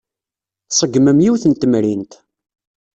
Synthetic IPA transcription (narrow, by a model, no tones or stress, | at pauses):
θsˤəɡməmjiwθənt̪əmɾint̪